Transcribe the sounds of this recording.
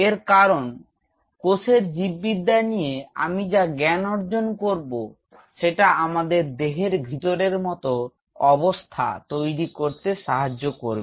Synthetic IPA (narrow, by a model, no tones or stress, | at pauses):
eɾkaɾon | koseɾd͡ʑibːid̪anijea̰mid͡ʑaɡɛnoɾd͡ʑonkoɾbo | ʃeʈaamad̪eɾd̪eɦeɾbʱit̪oɾeɾmɔt̪o | ɔbost̪ʰa̰t̪ojɾikoɾt̪eʃaɦad͡ʑːokoɾbe